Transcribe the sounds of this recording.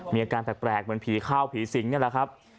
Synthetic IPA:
miː˧aː˧kaː˧nt̪ʰɛ˨˩k̚pɾɛː˨˩k̚mɯ˩˦npʰiː˨˩˦kʰaː˥˩wpʰiː˨˩˦si˨˩˦ŋni˥˩˨lɛ˨˩kʰɾa˦˥p̚

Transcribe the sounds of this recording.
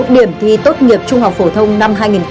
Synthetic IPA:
t̚ɗi˧˩əmt̪ʰi˨˩t̪o˦˥t̚ŋi˨˩əp̚t͡ɕʊ˧ŋ͡mha˨˩wk͡p̚fo˧˩t̪ʰə˧wŋ͡mna˧mɦaː˧jŋi˨˩

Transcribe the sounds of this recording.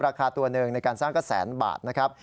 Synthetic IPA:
ɾaː˧kʰaː˧t̪u˧ɐnɤː˧ŋna˧jkaː˧nsaː˥˩ŋka˥˩sɛ̰ː˩˦nba̰ː˨˩t̪̚na˦˥kʰɾa˦˥p̚

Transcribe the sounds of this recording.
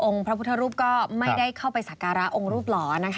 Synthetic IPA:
ʔo˧ŋpʰɾa˦pʰu˦˥t̪ʰːa˧ɾuː˥˩p̚kɔː˥˩ma˥˩jda˥˩jkʰa˥˩wpa˧jsa˨˩kaː˧ɾa˦˥ʔo˧ŋɾuː˥˩p̚lɔː˩˦˧na˦˥kʰ

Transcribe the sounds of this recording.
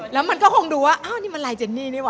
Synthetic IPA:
lɛː˦˥wma˧nkɔː˥˩kʰo˧ŋduː˧waː˥˩ʔaː˧˩wniː˥˩ma˧nlaː˧jt͡ɕe˧˩nːiː˥˩niː˦˥˩wa˨˧˩

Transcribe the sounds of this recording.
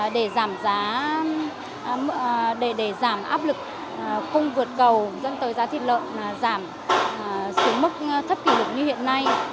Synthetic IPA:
ɗe˧˩zaː˧˩mzaː˨˦ | m˧ɗe˧˩ɗe˧˩zaː˧˩mʔa̰ː˦˥p̬̚lɨ˨˩k̚ | xə˧wŋ͡mvɨ˨˩ət̚kə˨˩wzə˧nt̪ə˨˩jzaː˨˦i˨˩t̚lə̰ː˧˨na˨˩zaː˧˩m˨ | sɨ˨˦mɨ˦˥k̚t̪ʰə˦˥p̚t̪i˧˩lɨ˨˩k̚ɲɨ˧hḭ˧˨ənːa˧j

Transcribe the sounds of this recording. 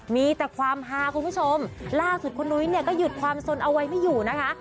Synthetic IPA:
miː˧t̪ɛː˨˩kʰwaː˧mɦaː˧˩kʰu˧nmpʰu˥˩t͡ɕʰo˧mlaː˥˩su˨˩kʰo˧nːu˦˥jni˥˩ɐkɔː˥˩ju˨˩t̪̚kʰwaː˧mso˧nʔa˧wa˧jma˥˩jːuː˨˩na˦˥kʰa˦˥ʔ

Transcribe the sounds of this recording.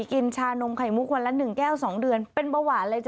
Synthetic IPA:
ki˧nt͡ɕʰaː˧no˧mkʰa˨˩jmuː˦˥kʰo˧la˦˥nɯ˨˩ŋkɛː˥˩wsɔː˩˦ŋdɯ˧ənpe˧nbɔ˧waː˨˩t̪̚laː˧jt͡ɕ

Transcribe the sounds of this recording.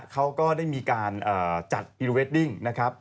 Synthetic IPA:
kʰa˦˥wkɔː˥˩daː˥˩jmiː˧kaː˧nʔəː˨˩t͡ɕa˨˩t̪̚pʰi˧ɾwe˦˥t̪̚ːi˥˩ŋna˦˥kʰɾa˦˥p̚

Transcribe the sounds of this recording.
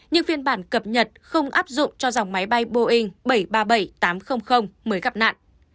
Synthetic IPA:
ɲɨ˧ŋfi˧ənɓaː˧˩nkə˨˩p̚ɲə˨˩t̚xə˧wŋ͡mʔa̰ː˦˥p̚zʊ̰˧˨ŋ͡mt͡ɕɔ˧za˨˩wŋ͡mma˨˦jɓa˧jɓo̰˧˨ʔï˧ŋ̟ɓə˧˩jɓaː˧ɓə˧˩jt̪aː˨˦mxə˧wŋ͡mxə˧wŋ͡mməː˨˦jɣa˦˥p̚na̰ː˧˨nʔ

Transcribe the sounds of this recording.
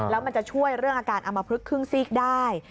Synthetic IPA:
lɛː˦˥wma˧nt͡ɕa˨˩t͡ɕʰu˥˩əjɾɯ˥˩əŋʔaː˧kaː˧˩nʔa˧mːaː˧pʰɾɯ˦˥kʰːɯ˥˩ŋsiː˥˩k̚daː˥˩j

